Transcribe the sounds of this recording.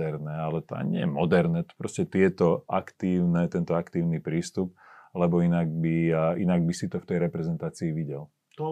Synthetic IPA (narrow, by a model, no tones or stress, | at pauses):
ɛɾnɛalɛt̪a̰ːɲɪɛ̰jɛmɔd̪ɛɾnɛt̪pɾɔscɛt̪ɪɛt̪ɔʔakt̪iːʊnɛt̪ɛnt̪ɔakt̪iːʊnipɾiːst̪up̚lɛbɔinaɡbiinaɡ̚bisit̪ɔft̪ɛjɾɛpɾɛzɛnt̪aːt͡siːʋiɟɛl